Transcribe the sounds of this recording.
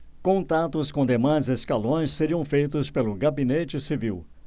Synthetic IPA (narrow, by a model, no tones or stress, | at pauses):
kõt̪at̪ʊskõd̪emãjzeskalõj̃sseɾiɐ̃w̃fejt̪̬ʊspelʊɡabinet͡ʃɪsiviw